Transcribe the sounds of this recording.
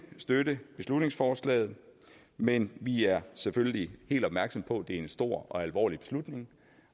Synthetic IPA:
sd̥ødəb̥e̝slud̥ne̝ŋsfɒːslɛ̰ːð̞̩ˠ | menʋiæɐseføljəlihe̝̰ːld̥ɒ̽b̥mæɐɡ̥sɒ̽mpʰɒ̽d̥e̝æɐe̝nsd̥o̝ɐ̰ɒ̽ælʋɒ̰ːlib̥e̝slud̥ne̝ŋ

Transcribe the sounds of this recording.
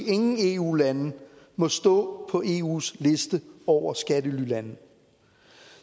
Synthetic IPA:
e̝ŋn̩e̝uːlæn | mɒ̽sd̥ɔ̰̽ːpʰɒ̽ʔe̝ːṵːsle̝sd̥əɒʊ̰ɐsɡ̥ædəlylænð̩

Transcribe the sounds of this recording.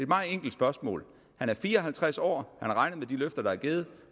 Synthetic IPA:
e̝d̥mɑ̈ːeŋ̰ɡ̥l̩d̥sb̥ɶɐsmɔ̰ːl | hænæɐfiːɐɒ̽ɦælt͡sʰʁasɒ̰ːhænæɐʁɑ̈ɪnð̩ˠmed̥iløfd̥ɐd̥ɑ̈æɐɡ̥eːð̩ˠ

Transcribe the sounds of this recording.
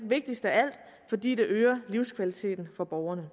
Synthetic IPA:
ʋe̝ɡ̥̚d̥isd̥əææl̰d̥ | fɒ̽d̥ḭːd̥e̝ʔøːɐliʊskʰʋælit͡sʰe̝̰ːd̥n̩fɒ̽b̥ɒʊɐnə

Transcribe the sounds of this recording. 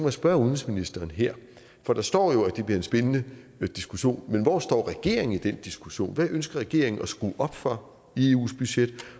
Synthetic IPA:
mæsb̥ɶɐuðˠnesminisd̥ɐːnɦeɐ̰ | fɒ̽d̥ɑ̈sd̥ɒ̰ːjo̝æd̥e̝b̥liɐe̝nsb̥enənə | d̥isɡ̥uɕo̝̰ːnmenʋɒsd̥ɒ̰ːʁɛɡ̥e̝ɐ̰e̝ŋn̩id̥end̥isɡ̥uɕo̝̰ːnʋæʔønsɡ̥ɐʁɛɡ̥e̝̰ɐ̰e̝ŋn̩ɒsɡ̥ʁṵːʔɒ̽b̥fɒ̽ | e̝ṵːsb̥yɕed̥

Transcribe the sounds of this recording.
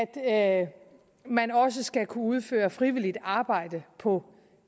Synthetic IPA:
æd̥ | mænɒ̽s̬əsɡ̥ækʰuuð̞ˠfø̰ːɐfʁiʋilid̥ɑ̈ːb̥ɑ̈ɪ̰d̥əpʰɒ̽

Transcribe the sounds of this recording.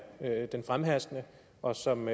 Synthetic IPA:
ød̥enfʁamɦæsɡ̥nə | ʔɒ̽sɒ̽m

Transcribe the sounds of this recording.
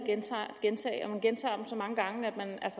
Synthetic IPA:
ɡ̥ent͡sʰɑ̰ɡ̥ent͡sʰɛ̰ːɪɒmænɡ̥ent͡sʰɑ̰̈ːd̥emsɒ̽mɑ̈ŋəɡ̥ɑ̈ŋəæd̥̚mænælsə

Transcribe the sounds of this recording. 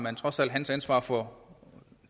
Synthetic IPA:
mænt͡sʰʁɒ̽sæl̰d̥ɦænsænsʋɑ̰̈ːfɒ

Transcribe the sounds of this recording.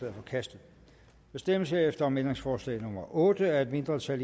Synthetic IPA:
eɐfɒ̽kʰæsd̥ð̩ˠ | ʋ̥æsd̥eməsheɐefd̥ɐɒ̽mend̥ʁeŋsfɒːslɛ̰ɪnɔmɐʔɔ̽ːd̥əæɐe̝d̥me̝nd̥ʁɐt͡sʰæl

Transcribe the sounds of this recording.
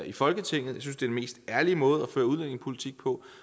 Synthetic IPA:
ifɒ̽lɡ̥ət͡sʰe̝ŋ̰ð̩ˠjsynsd̥e̝ɐd̥enme̝̰ːsd̥æɐlimɔ̽ːð̞̩ˠɒføːɐuð̞ˠlen̰e̝ŋpʰo̝lit͡sʰiɡ̥̚pʰɒ̽

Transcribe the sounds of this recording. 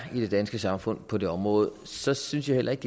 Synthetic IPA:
id̥e̝d̥ænsɡ̥əsɑ̈mfɔ̽n̰pʰɒ̽d̥e̝ɒ̽mʁɔ̽ːð̩ˠsɒ̽synsjähel̰ʔɐe̝ɡ̥d̥

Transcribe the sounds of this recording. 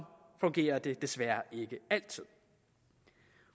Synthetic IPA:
fɔ̽ŋɡ̥e̝̰ːɐd̥e̝d̥e̝sʋæɐe̝ɡ̥əæl̰t͡sʰið̰ˠ

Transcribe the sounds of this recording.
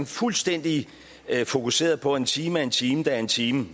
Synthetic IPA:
nfulsd̥en̰d̥i | fo̝kʰuse̝̰ːɐð̞ˠpʰɒ̽e̝nt͡sʰiːmæe̝nt͡sʰiːməd̥ɑæɐe̝nt͡sʰiːmə

